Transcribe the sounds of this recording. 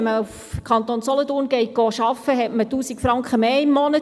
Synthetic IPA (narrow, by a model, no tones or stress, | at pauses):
məuf | kʰɑntoːnsɔlətʊːrnɡ̥ɛɪt̚ɡ̥ɔːʃɑfəɦɛtmətuːsikfɾɑŋkχəmeːɪmːɔnə